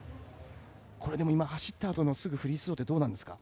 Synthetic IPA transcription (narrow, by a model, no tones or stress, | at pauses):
kʰo̞ɾe̞d̪e̞mo̞imahaɕi̥t̪ːaːt̪o̞no̞sɨɡɯ̟ɸɯ̟ɾʲisɨ̥o̞ːt̪ːe̞d̪o̞ːnãnd̪e̞sɨ̥ka